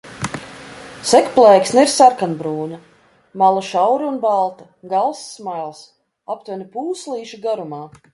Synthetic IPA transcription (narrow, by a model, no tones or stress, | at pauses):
sɛkplˠɛjksniɾsaɾkanbɾuːnɐ | malˠaʃawɾunbalˠt̪ɐ | ɡalˠsːmajlˠs | apt̪vɛnʲpuːslˠiːʃiɡaɾumaː